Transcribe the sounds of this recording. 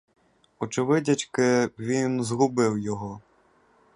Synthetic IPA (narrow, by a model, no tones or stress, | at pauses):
ɔt͡ʃɪʋɪdʲɐt͡ʃkɪʋʲinzɦʊbɪwjɔɦɔ